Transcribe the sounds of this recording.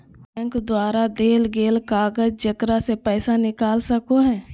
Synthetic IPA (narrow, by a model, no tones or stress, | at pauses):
bɛ̃ːŋkd̪waːɾad̪eːlɡeːlkaːɡəd͡ʒd͡ʒəkɾasepɛːsanɪkaːlsɐkoɦɛ̃ː